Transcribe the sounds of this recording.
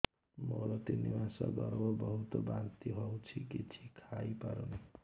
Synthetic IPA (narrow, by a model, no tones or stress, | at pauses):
mo̰ɾɔt̪inibasʌ̰ɡʌɾbʌbʌɦut̪obant̪iɦʌwt͡sʰikit͡sʰikʰajpaɾon